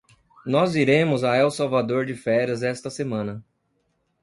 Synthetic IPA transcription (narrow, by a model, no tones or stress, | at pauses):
nɔziɾẽmʊzaɛwsawvad̪oɾd͡ʒɪfɛɾɐzɛst̪ɐsemɐ̃nɐ